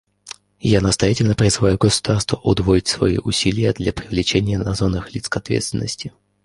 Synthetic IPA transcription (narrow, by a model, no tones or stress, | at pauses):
janəst̪ɐjatʲɪlʲnəpɾʲɪzɨvajʊɡəsʊ̥d̪̥arst̪vəʔʊd̪voɪtʲsvɐ̰ḭʔʊsʲilʲɪjəd̪lʲapɾʲɪvlʲɪt͡ɕenʲɪjənɐzonːɨxlʲit̪skɐt̪vʲet̪st̪vʲɪnːəsʲtʲɪ